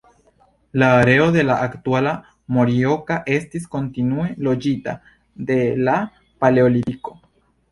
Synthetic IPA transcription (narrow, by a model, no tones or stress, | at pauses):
laːɾe̞o̞de̞laʔaktuala | mo̞ɾio̞kaʔe̞stisko̞ntinue̞lo̞d͡ʒita | de̞la | pale̞o̞liɾiko̞